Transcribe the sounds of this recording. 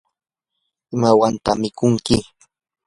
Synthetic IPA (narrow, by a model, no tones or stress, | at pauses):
ɪmawant̪a̰mɪkʊŋkɪ